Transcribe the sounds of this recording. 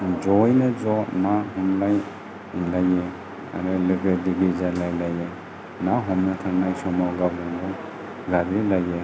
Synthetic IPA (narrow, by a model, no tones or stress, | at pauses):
d͡ʒɔjnazɔnaɦɔmlaj | laje | a̰ɾalebediɡizajlajlaje | naɦɔmnatʰaŋnajsɔmawɡawlaŋbɔ | ɡaɾilaje